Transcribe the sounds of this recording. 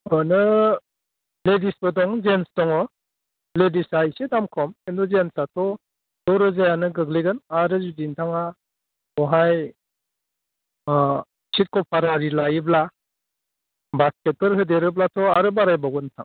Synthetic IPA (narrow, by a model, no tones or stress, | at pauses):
ɔnɯ | ledisbɯdɔŋzenstɔŋɔ | ledisajsedamkʰɔmendɔzensatʰɔ | d̥ɔɾɯzajanɯɡɯɡleɡɯnaɾɯzudintʰaŋa | ɔɦaj | sit̚kʰɔpʰaɾaɾilajibla | basket̚pɯɾɦɯdeɾɯblatʰɔaɾɯbaɾajbaɡɔntʰa̰ŋ